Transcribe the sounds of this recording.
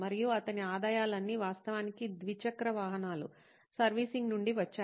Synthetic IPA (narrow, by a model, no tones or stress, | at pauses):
mɐɾijuɐt̪ɐniaːd̪aːjaːlɐnːiːʋaːst̪ɐʋaːnikid̪ʋit͡ʃɐkɾɐʋaːɦɐnaːlṵ | sɐɾʋiːsiŋɡnuɳɖiʋɐt͡ʃːaː